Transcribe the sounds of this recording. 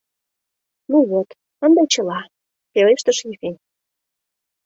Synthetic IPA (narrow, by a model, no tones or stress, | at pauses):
nuβot̪ | ənd̪et͡ɕə̆lɑ | peleʃt̪ə̆ʃjifʲinʲ